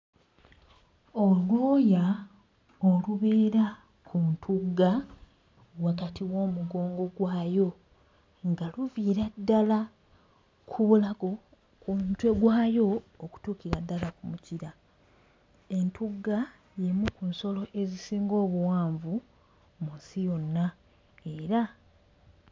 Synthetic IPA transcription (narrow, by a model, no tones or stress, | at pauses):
olwoːja | oluβe̞ːɾa | kʰuntʰuɡːa | wakatiwo̞ːmuɡo̞ːŋɡo̞ɡwaːjo̞ | ŋɡaluviːɾadːala | kʰuβulaɡo̞ | kuntwe̞ɡwaːjo̞ː | ku̥tuːkiɾadːalakumuciɾa | e̞ntʰuɡːa | jemukunso̞lo̞ʔe̞zisiːŋɡo̞ːβuwaːɱvu | munsijo̞nːa | e̞ɾa